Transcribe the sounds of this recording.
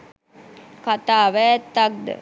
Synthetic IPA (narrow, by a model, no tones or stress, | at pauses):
kat̪aːʋɛt̪ːak̚d̪ə̰